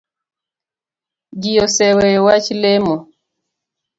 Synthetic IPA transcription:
d͡ʒijɔsɛwɛwat͡ʃlemɔ

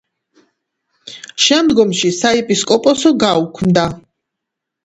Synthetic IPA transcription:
ʃɛmd̪ɡɔmʃisaipʼiskʼɔpʼɔsɔɡaukʰmd̪a

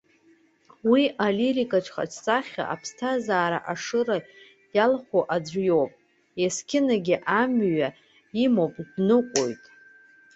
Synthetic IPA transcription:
wiʔaliɾikʼat͡ʃʷʰʼχa̰t͡ʃʰʼt͡sʼaχʲa̰ːpʰstʰazaːɾa̰ʔaʂɨra | jalχʷoʔad͡zʷjo̞wpʼ | jaskʲʰɪnaɡʲiʔamɥa | imowpʼdnɨqʷʼo̰jtʼ

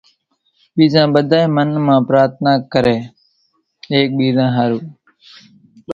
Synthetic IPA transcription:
ɓiːzãːɓəd̪ʱaːemənmãːpɾaːɾt̪naːkːəɾeː | eːk̚ɓiːzãːɦaːɾuː

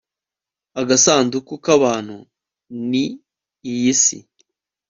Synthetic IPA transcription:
aɡasaːndukukaβaːn̥hu | niː | jisḭ

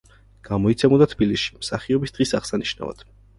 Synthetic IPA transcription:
ɡ̥amɔit̪sʰɛmud̪at̪ʰbilisʃi̥msaχiɔbisd̪̥ʁisaʁsaniʃna̰va̰d̪̥

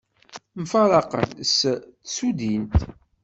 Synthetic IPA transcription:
mfɑɾˤɑqə̰nstsud̪int̪

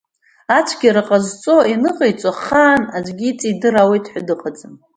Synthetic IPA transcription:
at͡ʃʷʰɡʲiɾɨqʼazt͡sʼo̞inɨqʼejt͡sʷʼaχaːnad͡ʒʷɡʲit͡sʼidɨrawejtʰʼħʷadɨqʼat͡sʼɨm

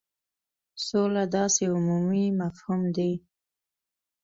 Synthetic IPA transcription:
solad̪ɑseʊmumimafhumd̪i

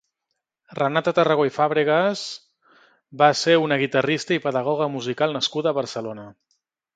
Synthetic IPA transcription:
rənat̪ət̪ərəɣoifaβɾiɣəz | baseunəɣ̞it̪ərist̪əipəðəɣ̞ɔɣ̞əmuzikalˠnəskuðəːβəɾsəlonə

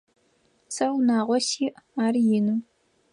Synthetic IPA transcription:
sɐrnaːʁʷɔsiːʔaːrjɪnu

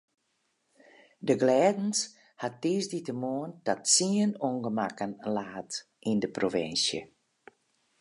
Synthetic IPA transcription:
dəɡlɛːdn̩s | hat̚ːiːsditəmoəndɔtsiəənoŋɡəmakənlaːt | ʔindəprovɪ̰nsjə̰

